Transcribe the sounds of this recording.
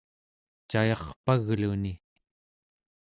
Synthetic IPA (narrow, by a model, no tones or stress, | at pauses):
t͡ʃajɑχpaɣluni